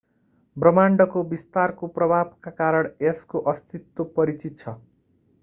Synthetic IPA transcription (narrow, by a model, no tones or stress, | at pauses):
brʌmaɳɖʌkobist̪arkoprʌbʱab̚kakaɾʌɽeskoʔʌst̪it̪ːopʌɾit͡sit̪̚t͡sʰʌ